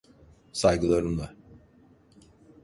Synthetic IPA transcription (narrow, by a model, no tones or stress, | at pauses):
sajɡɯlˠaɾɯmlˠa